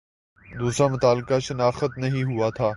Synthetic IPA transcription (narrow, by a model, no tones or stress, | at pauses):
d̪uːsɾamʊt̪aːlkaʃɐnaːxət̪nɐɦĩɦʊat̪ʰaː